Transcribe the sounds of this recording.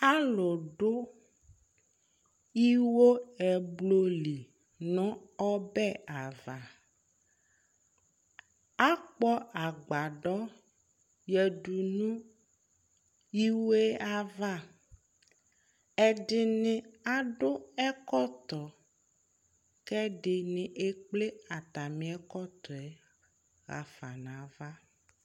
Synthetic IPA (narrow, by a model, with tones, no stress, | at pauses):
a˦lɔ˨ɖʊ˦ | i˦wo˦ɛ˨blo˦li˨ | nɔ̃˦ɔ˦bɛ˦a˨va˨ | a˦k͡pɔ˦a˨ɡ͡ba˨ɖɔ˦ | jɛ˨ɖu˨nũ˦ | ji˦we˦a˦va˦ | ɛ˨ɖɪ˨nɪ̃˦a˦ɖʊ˦ɛ˦kɔ˦t̪ɔ˨ | kɛ˦ɖɪ˨nɪ̃˨ʔe˦k͡ple˦a˨t̪a˨mĩ˨ɛ˦kɔ˦t̪ɔ˨ɛ˦ | ɣa̰˨fa˨nã˨va˦